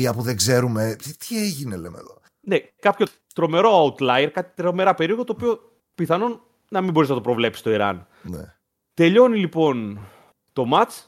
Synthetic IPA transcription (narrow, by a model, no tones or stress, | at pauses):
iɐpuðeɡze̞ɾumet̪ʰieʝinelemḛðo | ne̞kɐpço̞ | t̪ɾo̞me̞ɾo̞ɐut̪lɐjɾkɐt̪it̪ɾome̞ɾɐpe̞ɾio̞ɣot̪oːpio̞ | piθɐnon | nɐmimbo̞ɾiznɐt̪o̞pɾo̞vle̞psi̥st̪oiɾɐ̰n | nḛ | t̪e̞ʎo̞nilipo̞n | t̪o̞mɐt͡s